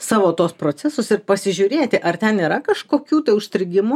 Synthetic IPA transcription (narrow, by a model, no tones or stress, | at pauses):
sɑːʋoːt̪oːspɾoːt͡s̪ʲæsosɪɾpɐsʲɪʒʲʊːɾʲeːt̪ʲɪʔɐrt̪ʲɛniːɾɐkɐʃkoːkʲuːt̪ɐɪʊʃʲt̪ʲɾʲɪɡʲɪmʊ